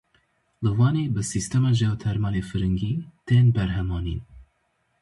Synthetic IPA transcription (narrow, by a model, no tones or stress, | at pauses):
lɨwɑːneːbɨsist̪ɛmɑːʒɛwt̪ʰɛɾmɑːleːfɨɾɨŋɡiːt̪eːnbɛɾɦɛmɑːnḭːn